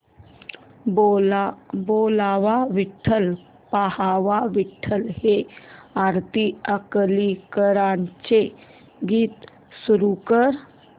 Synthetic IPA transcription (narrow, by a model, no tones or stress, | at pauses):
o | boːlaʋaʋiʈʰːəl | pahaʋaʋɪʈʰːəlɦeaɾt̪iəkəlikəɾant͡ʃe | ɡiːt̪ | suɾukəɾ